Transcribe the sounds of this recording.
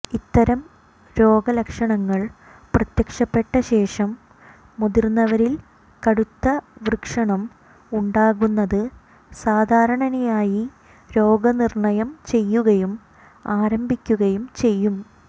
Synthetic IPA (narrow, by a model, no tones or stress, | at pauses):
it̪ːɐɾɐm | ɾo̞ːɡɐlekʂɐɳɐŋːɐɭ | prɐt̪jɐkʂɐpːe̞ʈːɐɕe̞ːʂɐmː | uðirnːɐʋɐɾil | kɐɽut̪ːɐʋrkʂɐɳɐm | uɳɖaːɣunːɐðɨ | saːd̪ʱaːɾɐɳɐnɐjaːji | ɾo̞ːɡɐnirɳɐjɐmt͡ɕe̞jːuɣɐjum | aːɾɐmbʱikʲːuɣɐjumt͡ɕe̞jːum